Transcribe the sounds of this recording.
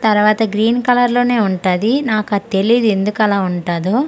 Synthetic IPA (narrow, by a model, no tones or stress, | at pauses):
t̪ɐɾuʋaːt̪ɐɡɾiːnkɐlɐɾlo̞ːne̞ːuɳʈaːd̪inaːkɐt̪e̞lid̪ue̞nd̪ukɛlaːuɳʈaːd̪oː